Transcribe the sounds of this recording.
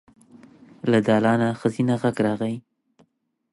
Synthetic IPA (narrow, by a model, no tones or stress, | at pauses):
lad̪ɑlɑnaxəzinaɣaɡɾɑɣai